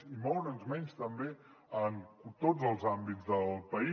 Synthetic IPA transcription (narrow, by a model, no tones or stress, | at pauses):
imɔwɾənzmɛnst̪əmbe | ənt̪ozəlˠzambizðəlˠpəi